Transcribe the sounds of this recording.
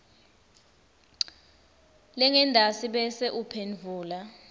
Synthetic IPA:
lɛŋɛndʱasiɓɛsɛʔupʰenvʱuːla

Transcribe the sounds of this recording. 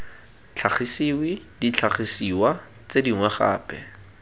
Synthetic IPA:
t͡ɬʰaχisiwidit͡ɬʰaχisiwa | t͡sediŋwɛχa̰ːpɛ̰

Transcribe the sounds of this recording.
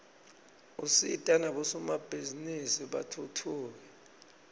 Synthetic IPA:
usḭtʼanaɓɔsumab̥ʱizinisiɓa̰tʰutʰuːwɛ

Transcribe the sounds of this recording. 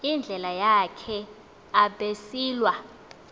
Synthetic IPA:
ind͡ɮʱɛlajakʰɛ | aɓesiːlwa

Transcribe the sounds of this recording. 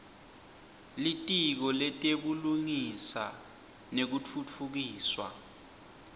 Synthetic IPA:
litʼik̬ɔlɛtʼeɓuluŋisa̰ | nek̬ut͡fʰut͡fʰuk̬iːswa̰

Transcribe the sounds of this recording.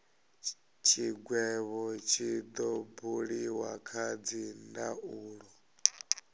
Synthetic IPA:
t͡ʃʰiɡwɛβɔt͡ʃʰid̪ɔbuɺiwakʰad͡zindaʔuːɺɔ

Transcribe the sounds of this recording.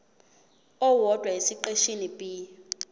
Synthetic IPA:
ɔwɔdʼwaisiǃeʃinipʼi

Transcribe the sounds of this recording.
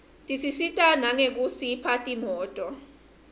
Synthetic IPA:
tʼisisitʼanaŋek̬ʼusipʰatʼimɔːtʼɔ

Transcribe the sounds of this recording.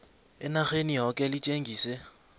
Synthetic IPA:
ɪnaχeniɦɔkʼɛlɪt͡ʃʼeŋɡiːse

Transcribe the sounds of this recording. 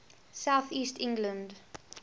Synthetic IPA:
saʊθiːstʰɪ̃ŋɡlə̃nd

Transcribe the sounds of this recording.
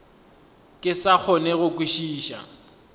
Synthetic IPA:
kʼɪsak͡xʰɔnɛɣʊkʼiʃiːʃa̰

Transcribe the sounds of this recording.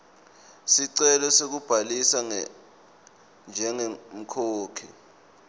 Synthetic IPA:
siǀɛlɔsek̬ub̥ʱalisa | nd͡ʒʱɛŋem̩kʰoːkʰḭ

